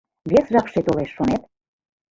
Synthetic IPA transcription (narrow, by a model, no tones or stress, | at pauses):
βʲesʒɑkʃet̪oleʃːonet̪̚